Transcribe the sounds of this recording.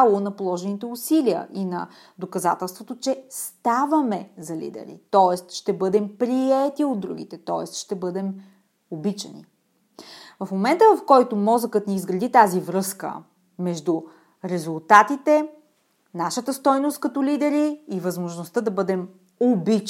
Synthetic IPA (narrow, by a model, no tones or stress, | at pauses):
lˠonɐpolˠɔʒɛnit̪ɛusiliə̰ʔinɐ̰ | d̪okɐza̰t̪ɛlˠst̪vot̪ot͡ʃɛst̪avɐmɛzɐlḭd̪ɛ̰ɾḭt̪ɔɛst̪ʃt̪ɛbɤd̪ɛmpɾiɛt̪iod̪̚d̪ɾṵɡ̟ḭt̪ɛt̪ɔɛ̰st̪ʃt̪ɛbɤd̪ɛm | obit͡ʃə̰nḭ | vɐfmomɛnt̪əvɐfkɔjt̪ʊmɔzəkət̪nɛizɡɾɐd̪it̪azivɾɤskə̰ | mɛʒd̪u | ɾɛzulˠt̪at̪it̪ɛ | naʃət̪əst̪ɔjnost̪̚kɐt̪ɔlid̪ɛɾiːvɐzmoʒnost̪əd̪ɐbɤd̪ɛm | obit͡ʃ